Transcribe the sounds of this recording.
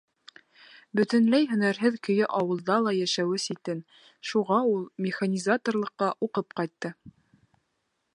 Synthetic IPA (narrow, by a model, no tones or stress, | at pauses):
bɵ̆t̪ɵ̆nlæjɦɵ̆næɾɦɘðkɵ̆jɘʔɑwɤ̆lˠd̪ɑlˠɑjæʃæwɘsit̪ɘn | ʃuʁɑulˠmʲɪχanʲizat̪orlˠɤ̆qːɑʔuqɤp̚qɑjt̪ːɤ